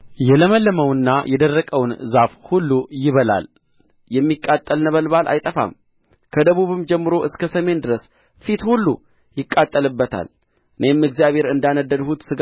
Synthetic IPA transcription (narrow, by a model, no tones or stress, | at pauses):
jɛləməlːəməwnːajɛd̪ərːəkʼəwnzafhulːujɪβəla̰l | jɛmːikʼːat̪ʼːəlnəβəlβalʔa̰jt̪ʼəfa̰m | kʰəd̪əβuβɨmd͡ʒɛmːɨɾo̞ʔɨskʰəsəme̞nd̪ɨɾəs | fit̪hulːṵ | jɪkʼːat̪ʼːəlɨbːət̪ʰa̰l | ʔɨne̞mɨɡzijaβhe̞ɾɨnd̪anəd̪ːəd̪hut̪sɨɡ